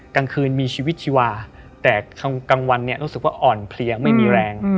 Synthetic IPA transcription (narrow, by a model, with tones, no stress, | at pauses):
kaː˧ŋkʰɯː˧nmiː˧t͡ɕʰiː˧wi˦˥t̪̚t͡ɕʰi˧waː˧ | t̪ɛː˨˩kʰa˧ka˧ŋwa˧nːi˥˩ɐɾuː˦˥sɯ˨˩k̚wa̰ː˥˩ʔɔː˨˩npʰli˧ɐma˥˩jmiː˧ɾɛː˧ŋ